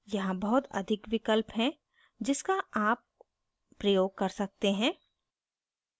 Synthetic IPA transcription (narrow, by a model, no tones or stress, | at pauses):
jɐɦãbɐɦʊt̪ɐ̰d̪ʱɪkʋɪkəlpɦɛ̃ | d͡ʒɪskaaːp̚ː | ɾɐjoːɡ̚kɐɾsɐk̚t̪eɦɛ̃ː